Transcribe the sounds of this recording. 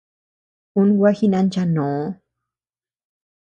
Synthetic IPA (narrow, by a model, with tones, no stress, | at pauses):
u˦nwa˦xi˦na˧nt͡ʃano˨˦